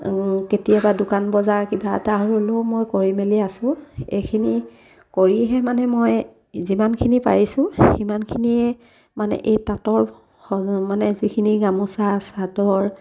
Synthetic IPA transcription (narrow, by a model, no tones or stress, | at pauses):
ketijabadʊkanbɔzaɹkibataɦlomojkoɹimeliasʊ̃ḛjkʰini | koɹiɦɛmanɛmoj | zimankʰinipa̰ɹisʊ̃ximankʰiniɛ | manɛ̰ʔejtatɔɹ | hɔmanɛzikʰiniɡamusasadɔɹ